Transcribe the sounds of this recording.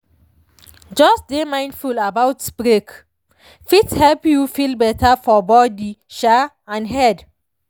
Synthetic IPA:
d͡ʒɔsdemãj̃ndfulabawtb̥ɹek | fithɛlpjufilbɛtʰafɔbɔdiʃa | ãnhɛd

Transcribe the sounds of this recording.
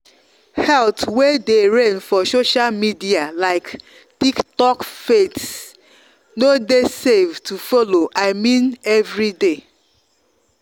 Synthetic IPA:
hɛltwedeɹɛ̃nfɔsoʃalmidialaɪk | tiktɔkfets | nodesevtufɔloʔaɪmĩnɛvɹide

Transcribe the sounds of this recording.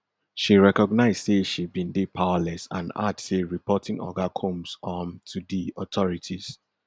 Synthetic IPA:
ʃiɹɛkɔɡnaɪzseʃibĩndepʰawalɛsã̰na̰dseɹipʰɔtʰĩŋʔɔ̰ɡakʰɔ̃msɔ̃mtʰudiɔtʰɔɹitʰiz̥

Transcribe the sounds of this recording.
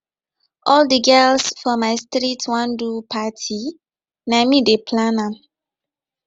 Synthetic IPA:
ʔɔldəɡɛlsfɔmaɪstɾitʰwãndupʰatʰi | namidepʰlanã

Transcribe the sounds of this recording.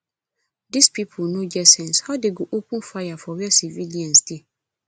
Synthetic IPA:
dispʰipʰonõd͡ʒɛsɛ̃nshɔdɪɡuʔukʰũfajafɔwɛsiviliãnsdi

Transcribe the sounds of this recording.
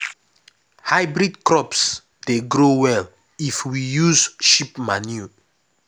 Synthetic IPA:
haɪbɾidkɹɔps | d̥eɡɾowɛl | ifwijuzʃipmanju

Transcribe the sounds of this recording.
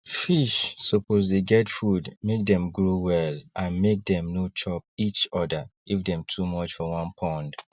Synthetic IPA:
fiʃsɔpʰozdeɡɛtfudmek̚dɛ̃mɡɹowɛlʔãnmek̚dɛ̃mnot͡ʃʰɔp̚it͡ʃɔdəɡ̥ivdɛ̃mtʰumɔt͡ʃfɔwɔ̃npʰɔ̃nd

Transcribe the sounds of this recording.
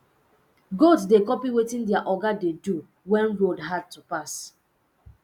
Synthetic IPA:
ɡotsdekɔpiwetĩndiaʔɔɡadedu | wɛ̃nɹodɦad̚tupas

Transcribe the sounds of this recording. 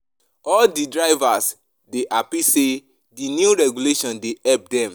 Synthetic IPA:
ɔldidɹaɪvas | deʔapise | dinjuɹɛɡuleʃɔ̃ndeɛlp̚dɛ̃m

